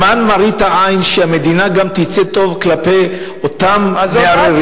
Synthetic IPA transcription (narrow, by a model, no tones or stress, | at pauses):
anmaʁit̪aʔajnʃeamed̪inaɡamt̪it͡set̪o̞vklapej | ot̪amea